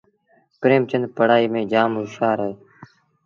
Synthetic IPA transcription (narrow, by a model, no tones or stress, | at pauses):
pɾeːmt͡ʃənd̪pəɽaːiːmẽːd͡ʒaːmɦʊʃaːɾeː